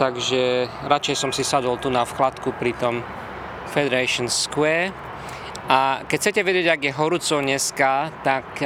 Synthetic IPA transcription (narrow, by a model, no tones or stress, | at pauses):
t̪aɡʒɛ | ɾat͡ʃɛjsɔmsisad̪ɔlt̪unafxlat̪kupɾit̪ɔm | fɛd̪ɛɾɛʃɔnskwɛːɾ | akɛcʰt͡sɛcɛʋɛɟɛɟaɡjɛɦɔɾut͡sɔɲɛskat̪ak